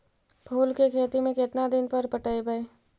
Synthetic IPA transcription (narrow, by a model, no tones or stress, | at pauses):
pʰuːlkekʰeːt̪imẽkɪt̪nad̪ɪnpɐɾpəʈəibəe